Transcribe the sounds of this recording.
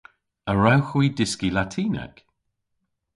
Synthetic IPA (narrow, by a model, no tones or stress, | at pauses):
əɹawxwiːdɪskilatʰiːna̰k